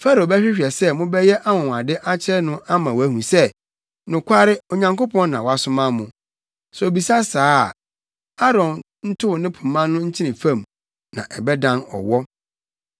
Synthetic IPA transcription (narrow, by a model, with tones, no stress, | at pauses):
fa˦ɾo˨bɛ˦ɕᶣɪ˦ɕᶣɛ˨sɛ˦mʊ̃˦bɛ˦jɛ˦ʔa˦wɔ̃˨ŋ˨a˨dɪ˦ʔa˦t͡ɕʰɪ˦ɛ˦nʊ̃˦ʔa˦mã˨wæ˦hũ˨sɛ˦ | nʊ̃˨kʷʰa˦ɾɪ˦o˨ɲã˨ŋko˦pʰɔ̃˦n˦nã˨wa˦sʊ̃˦mã˦mʊ̃˨ | sɔ˨o˨bi˨sa˦saː˦˨ | a˦ɾɔ̃˨n | n̩˦tʰʊ˦wʊ˨nɪ̃˦pʰũ˨mːã˦nʊ̃˦ɲ̩˦t͡ɕʰɪ̃˦nɪ̃˨fã˦˨m | nã̰˨ʔɛ˨bɛ˦dã˦nɔ̰˨wɔ˦